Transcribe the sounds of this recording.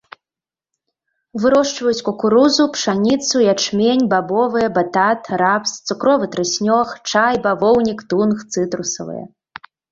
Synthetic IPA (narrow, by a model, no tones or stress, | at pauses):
vɨɾɔʂt͡ʂvɐjut͡sʲkɔkuɾuzupʂanʲit̪sujat͡ʂmʲenʲbabɔvɨjɐbat̪at̪ɾapst̪sukɾɔvɨt̪ɾɨsʲnʲɔxt͡ʂajbavɔwnʲikt̪unxt̪sɨt̪ɾusɐ̰vɨ̰jɐ̰